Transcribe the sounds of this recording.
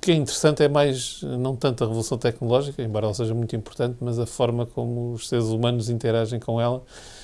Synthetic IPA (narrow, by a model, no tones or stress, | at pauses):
ukɛĩnt̪ɨɾsɐ̃nt̪ɛmajʒnɐ̃w̃t̪ɐ̃nt̪ɐʁɨvulˠusɐ̃w̃t̪ɛknulˠɔʒikɐẽmbɔɾɐɛlˠɐseʒɐmũj̃t̪ĩmpuɾt̪ɐ̃nt̪mɐzɐfɔɾmɐkomuːʃseɾzumɐnuzĩnt̪ɨɾaʒɐ̃j̃kõɛlˠɐ